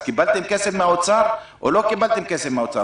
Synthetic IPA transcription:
kibalt̪emkesefmeaot͡saʁʔo̰lo̞kibalt̪emkesevmeaot͡sa̰

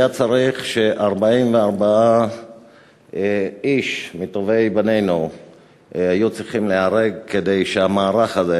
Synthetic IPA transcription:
jat͡saʁiχʃe̞ʔaʁbaimveaʁbaa | iʃmit̪ove̞jbane̞jnu | hajut͡sʁiχimleaʁeɡ̚ked̪e̞jʃeamaːʁaχaze

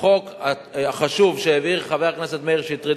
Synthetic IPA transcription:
o̞ka | aχaʃuvʃeeviʁχaveaknaset̪meiʁʃeit̪ʁi

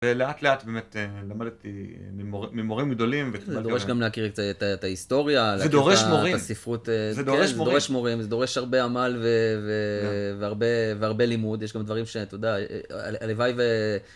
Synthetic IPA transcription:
veleat̪leat̪beːmet̪elamadt̪imimomimoʁimɡd̪o̞limvekzed̪oʁeʃɡamleakiʁetaetataist̪o̞ʁjaleakd̪oʁeʃmoʁiasifʁut̪ezedoezed̪oeʃmoʁimzed̪o̞ʁe̞ʃhaʁbe̞amalveveveaʁbe̞veaʁbe̞limud̪jeʃ̬ɡamd̪vaʁimʃe̞t̪od̪aalevajve

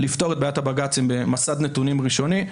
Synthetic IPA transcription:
lift̪o̞ʁet̪bajat̪abaɡat͡simbemasad̪net̪unimʁiʃo̞ni

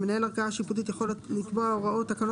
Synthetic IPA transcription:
menahelaʁɡaaʃiput̪it̪jexo̞let̪likbaoʁaʔot̪ːakano

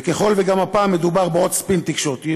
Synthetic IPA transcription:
keχo̞lveɡamapaːmːed̪ubaʁbeot̪spint̪ikʃot̪i

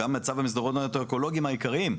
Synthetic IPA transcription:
amːeat͡savamis̬d̪aʁot̪at̪okoloɡiimaikaʁim

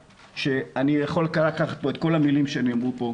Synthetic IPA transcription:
ʃe̞anijaχo̞lkaʁaakaχat̪̚bo̞et̪̚ko̞lamilimʃeaniamʁupo̞

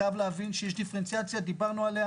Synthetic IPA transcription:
avlavinʃieʃ̬d̪ifeɾent̪siat̪sijad̪ibanoalea

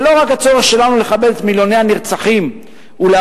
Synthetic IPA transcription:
lo̞ʁakhat͡so̞ʁeχʃe̞lanule̞χabe̞let̪miljo̞nejaniʁt͡saχim | ula

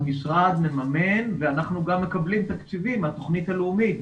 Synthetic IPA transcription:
misʁad̪me̞mame̞nveanaχnuɡamːe̞kablimt̪akt͡sivimat̪o̞χnit̪haleumit̪

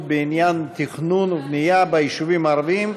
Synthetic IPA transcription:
benijant̪ʰiχnunvnijabaiʃuvimaɾvim

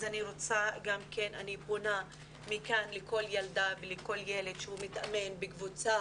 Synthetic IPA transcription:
zaniʁot͡saɡamkenanibχuna | mikanleko̞ljaldaveleko̞ljele̞dʃehumitame̞nbekvut͡sa

